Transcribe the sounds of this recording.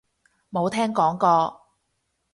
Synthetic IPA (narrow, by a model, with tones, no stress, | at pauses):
mo˨˧wt̪ʰɛː˥ŋkɔː˨˥ŋkɔː˧